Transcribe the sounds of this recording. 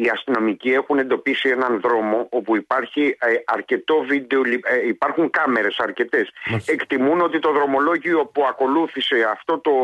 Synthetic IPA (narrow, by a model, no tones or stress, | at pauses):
iɐst̪ino̞micie̞xune̞nd̪o̞pisie̞nɐnðɾo̞mo̞ʔo̞puipɐɾçiɐɾce̞t̪o̞vid̪eoliipɐɾxuŋkɐme̞ɾe̞sɐɾce̞t̪e̞se̞kt̪imuno̞t̪it̪o̞ðɾo̞mo̞lo̞ʝio̞puɐko̞luθise̞ɐft̪o̞t̪o̞